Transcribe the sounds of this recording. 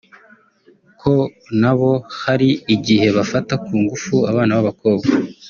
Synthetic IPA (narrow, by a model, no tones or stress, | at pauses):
kʰo̞ | naβo̞haɾiiɟihe̞βafatakuːŋɡufuaβaːnawaβako̞ːbɡa